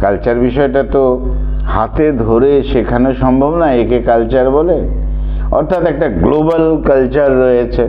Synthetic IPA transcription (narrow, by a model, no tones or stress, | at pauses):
kalt͡ɕaɾbiʃɔeʈat̪o | hat̪ed̪ʱoɾeʃekʰanoʃɔmbʱobnajekekalt͡ɕaɾbole | ɔ̰ɾt̪ʰat̪ɛk̚ʈaɡlobalkalt͡ɕaɾːɔet͡ɕʰe